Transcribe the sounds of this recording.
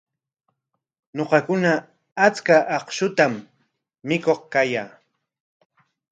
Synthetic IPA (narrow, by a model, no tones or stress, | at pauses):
noqɑkʊnaː | t͡skaʔɑqʃʊt̪amː | ɪkoχkajaː